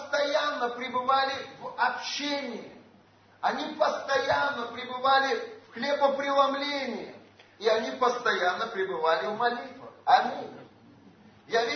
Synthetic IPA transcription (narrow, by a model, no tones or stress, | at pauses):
st̪ɐjanːəpɾʲɪbɨvalʲɪvɐpɕenʲɪjə | ɐnʲipəst̪ɐjanːəpɾʲɪbɨvalʲɪfxlʲebəpɾʲɪlˠɐmlʲenʲɪjəiɐnʲipəst̪ɐjanːəpɾʲɪbɨvalʲɪvmɐlʲit̪vɨɐmʲinʲ | javʲ